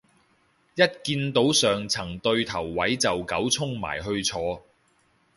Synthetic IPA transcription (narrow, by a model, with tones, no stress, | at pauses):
jɐ˥t̚kiː˧nt̪o˨˥wsœː˨ŋt͡sʰɐ˨˩ŋt̪ɵ˧ɥt̪ʰɐ˨˩wːɐ˨˥jt͡sɐ˨wkɐ˨˥wt͡sʰʊ˥ŋma̰ː˨˩jɦɵ˧ɥt͡sʰɔː˧